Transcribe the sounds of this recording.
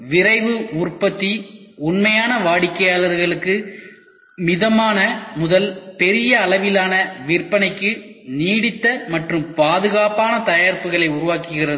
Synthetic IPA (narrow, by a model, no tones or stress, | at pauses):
ʋɪrɐɪʋɯʊrpɐt̪ːiʊnmɐjaːnɐʋaːɽɪkːɐjaːlɐɾɣɐɭɯkːɯ | mɪðɐmaːnɐmʊðɐlpɛɾɪjɐːlɐʋɪlaːnɐʋɪrpɐnɐɪkːɯniːɽɪt̪ːɐmɐʈrɯmpaːðɯɣaːpaːnɐt̪ɐjaːɾpɯɣɐɭɐɪʊɾʊʋaːkɯɣɪrɐð